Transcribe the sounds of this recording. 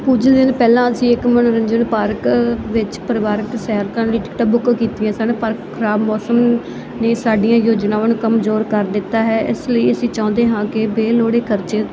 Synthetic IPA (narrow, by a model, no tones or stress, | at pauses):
puːd͡ʒəld̪ɪnpɛːlãːəsĩːɪkmənɾəɲd͡ʒənpaːɾkʋɪt͡ʃpəɾɪʋaːɾəksɛːɾkãːliːʈɪ̥kʈaːbʊkkiːt̪iãːsaːɽẽːpəɾkkʰəɾaːbmɔːsəm | neːsaːɖɪijãːjoːd͡ʒnaːʋənkəmzoːɾkəɾd̪ɪt̪ːaːɦɛːʔɪ̰sləiːəsĩːt͡ʃãːnd̪eːɦãːkɪbeːloːɽeːkʰəɾt͡ʃeː